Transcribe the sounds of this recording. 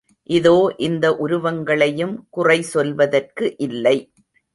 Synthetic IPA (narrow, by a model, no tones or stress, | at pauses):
ʔɪðoːʔɪnd̪ɐʔʊɾʊʋɐŋɡɐɭɐjɯmkʊrɐɪsɔlʋɐðɐrkɯʔɪlːɐɪ